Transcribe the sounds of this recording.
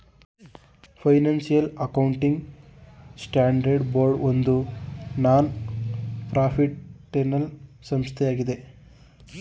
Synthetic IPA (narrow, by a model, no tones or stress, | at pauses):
pʰɐjnaːnsijɐlɐkɐwɳʈiŋɡ | sʈaːɳɖɐɾɖboːɾɖond̪unaːn | pɾaːpʰiʈ̚ʈenɐl | sɐmst̪ʰɛjaːɡid̪e